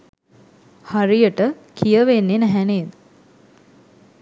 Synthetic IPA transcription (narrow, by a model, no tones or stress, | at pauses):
haɾijəʈə | kʰijəʋenːenæɦæneːd̪ə